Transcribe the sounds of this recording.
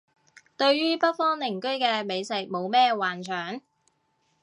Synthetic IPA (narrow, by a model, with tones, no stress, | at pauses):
t̪ɵ˧ɥɥyː˥pɐ˥t̚fɔː˥ŋnɪ˨˩ŋkɵ˥ɥkɛː˧me˨˧jsɪ˨˩k̚mo˨˧wmɛː˥waː˨nt͡ʃʰœː˨˩˥ŋ